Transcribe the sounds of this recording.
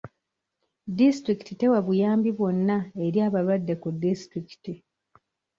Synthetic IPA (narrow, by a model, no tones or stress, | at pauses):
distɾiki̥tite̞waβujaːmbiβwo̞nːae̞ɾjaːβalwadːekudːistɾiki̥ti